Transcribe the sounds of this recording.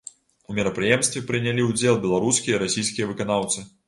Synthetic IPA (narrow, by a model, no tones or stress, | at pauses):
umʲɛɾɐpɾɨjɛmst̪vʲɛpɾɨnʲalʲiwd͡zʲelˠbʲɛlˠaɾuskʲijɐiɾasʲijskʲijɐvɨkanawt̪sɨ